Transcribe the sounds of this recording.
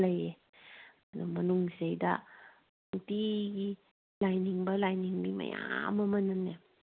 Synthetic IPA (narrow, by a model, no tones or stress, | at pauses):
laje | namɐnuŋsejda̰ | ŋtiɡi | lajniŋbalajniŋmima̰ja̰mamɐnanːe